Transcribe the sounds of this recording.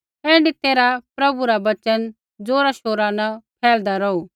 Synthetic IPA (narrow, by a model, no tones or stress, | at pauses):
ɦẽːɳɖit̪eːɾapɾɐbuɾabɐt͡ʃən | d͡zoːɾaʃoːɾanɐpʰɛːld̪aɾɔu